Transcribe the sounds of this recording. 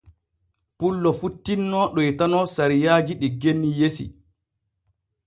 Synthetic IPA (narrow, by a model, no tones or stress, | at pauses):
pulːɔfutːinːɔɗɔjtanɔsaɾijaːd͡ʒiɗiɡenːijesḭ